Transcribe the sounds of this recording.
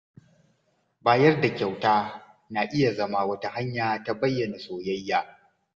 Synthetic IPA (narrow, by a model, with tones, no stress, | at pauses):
baː˦jɐ˦rda˨kʲa˨wtaː˦ | na˨ʔɪ˦ja˨zɐ˦ma˦wɐ˦ta˦ha˦ɲjaː˨ta˦bɐ˦jːɐ˨na˨sʼoː˨jɐ˦jːaː˦